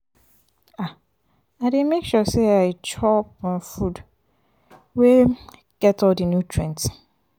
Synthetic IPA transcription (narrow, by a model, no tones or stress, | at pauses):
a | aɾemekʃuseaɪt͡ʃʰɔpɔ̃nfud | we | ɡ̥ɛtɔldənjutʰɹɛ̃nt